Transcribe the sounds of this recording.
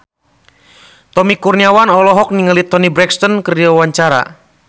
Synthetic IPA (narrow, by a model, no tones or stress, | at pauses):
t̪ɔmikurniawanɔlɔɦɔk̚niŋəlit̪ɔnibɾɛkst̪ɔnkəriawaɲt͡ʃaɾa̰